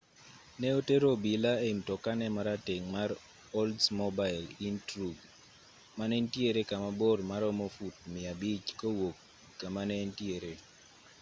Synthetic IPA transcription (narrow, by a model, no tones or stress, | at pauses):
nɛoteɾobilaemtɔkanɛmaɾateŋmaɾ | ɔldsmɔbaɪlintɾuɡ | manɛntjeɾekamabɔrmaɾɔmofut̚mɪabit͡ʃkowokː | amanɛntjeɾe